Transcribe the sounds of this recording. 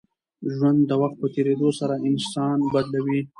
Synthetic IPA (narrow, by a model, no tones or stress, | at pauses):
ʒwand̪ːəwaxt̪̚pət̪eɾed̪osaɾaɪnsɑnbad̪lawi